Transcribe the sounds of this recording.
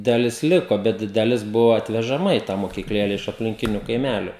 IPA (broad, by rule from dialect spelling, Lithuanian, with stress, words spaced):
dɐˈlʲɪs ˈlʲɪkoː bʲɛt dɐˈlʲɪs ˈbʊʋoː ɐtʲʋʲɛʒɐˈmɐ iː tɑː moːkʲiːkˈlʲeːlʲɛ ɪʃ ɐpʲlʲɪŋʲˈkʲɪnʲʊ kɐɪˈmʲælʲʊ